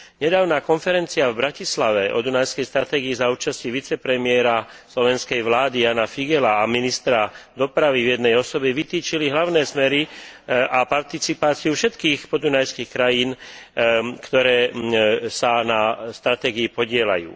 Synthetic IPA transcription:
ɲɛd̪aːʊnaːkɔnfɛɾɛnt͡siavbɾacislaʋɛʔɔ̰d̪unajskɛjst̪ɾat̪ɛːɡiizauːt͡ʃasciʋit͡sɛpɾɛmɪɛɾaslɔʋɛnskɛjʋlaːd̪ijaːnafiɡɛlaːminist̪ɾad̪ɔpɾaʋivjɛd̪nɛjɔsɔbɛʋit̪iːt͡ʃiliɦlaʊnɛːsmɛɾi | apaɾt̪it͡sipaːt͡siufʃɛt̪kiːxpɔd̪unajskiːxkɾajiːn | kt̪ɔɾɛː | sanast̪ɾat̪ɛːɡiipɔɟɪɛla̰jṵː

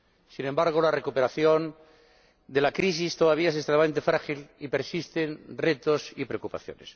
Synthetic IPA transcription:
sinẽ̞mbaɾɣ̞olarekupe̞ɾaθjo̞n | d̪e̞lakɾis̬ist̪oðaβiaesest̪ɾemament̪̬efɾaxilipe̞ɾsist̪e̞nre̞t̪o̞sipɾeokupa̰θjo̰nes

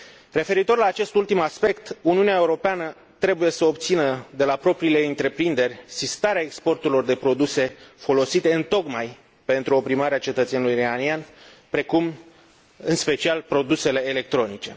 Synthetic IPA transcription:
re̞fe̞ɾit̪o̞rlaːt͡ʃe̞st̪ult̪imaspe̞kt̪uniuneaeuɾo̞peanə | t̪ɾe̞buje̞səob̚t̪sinəd̪e̞lapɾo̞pɾiːle̞ɨnt̪ɾe̞pɾind̪e̞rʲsist̪aɾeaekspo̞rt̪uɾilo̞rd̪e̞pɾo̞d̪use̞fo̞lo̞sit̪e̞ɨnt̪o̞kmaj | pe̞nt̪ɾuo̞pɾimaɾeat͡ʃe̞t̪ət̪sjanulujriɾanian | pɾe̞kum | ɨnspe̞t͡ʃialpɾo̞d̪use̞le̞ːle̞k̚t̪ɾo̞nit͡ʃe̞

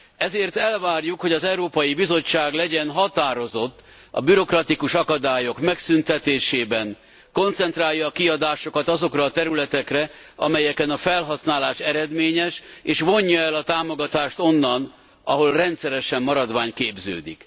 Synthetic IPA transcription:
ɛzeːrt̪ɛlvaːrjukhoɟɒzɛuɾoːpɒjibizo̞t͡ʃːaːɡlɛɟɛnɦɒt̪aːɾo̞zo̞t̪ː | ɒ̰byɾo̞krɒt̪ikuʃɒkɒd̪aːjo̞kmɛksynt̪ɛt̪eːʃeːbɛn | ko̞nt̪sɛnt̪raːjːɒːkiɒd̪aːʃo̞kɒt̪ɒzo̞krɒːt̪ɛɾylɛt̪ɛkrɛ | ɒmɛjɛkɛnɒfɛlɦɒsnaːlaːʃɛɾɛd̪meːɲɛʃeːʃʋo̞ɲːɒɛlɒt̪aːmo̞ɡɒt̪aːʃt̪o̞nːɒn | ɒɦo̞lrɛnt̪sɛɾɛʃɛmːɒɾɒd̪vaːɲkeːbzø̰ːd̪ḭk

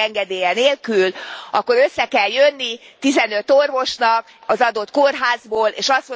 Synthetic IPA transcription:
ɛŋɡɛd̪eːjɛneːlkylʔɒkːo̞ɾøsːɛkɛljønːit̪izɛnø̞t̪ːorvo̞ʃnɒk | ɒzɒd̪ot̪korɦaːzboːlḛːʃɒst̪mo

